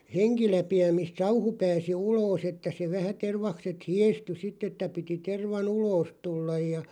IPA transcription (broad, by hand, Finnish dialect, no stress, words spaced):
heŋkilæpiæ mist sɑuhu pæːsi uloːs etːæ se ʋæhæ terʋɑkset hieˑsty sitˑ etːæ piti terʋɑn uloːs tulːɑj jɑ